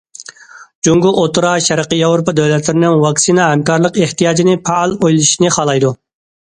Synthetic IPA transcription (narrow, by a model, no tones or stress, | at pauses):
d͡ʒoŋɡʊʔot̪uɾɑʃɛɾəqəjɑvɾopɑd̪ɛwlɛt̪lɪɾɪnɪŋwɑksinɑɦɛmkɑɾlˠəqeht̪ijɑːd͡ʒinɪpʰɑlˠojlˠiʃnɨχɑːlˠɑjd̪u